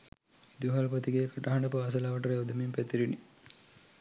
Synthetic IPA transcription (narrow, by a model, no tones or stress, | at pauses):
id̪uɦɐlɐpɐt̪iɡeːkʰɐʈɐɦɐɳɖɐpɐʋɐs̬ɐlaʋɐʈɐɾɐwd̪ɐmimpɛt̪iɾini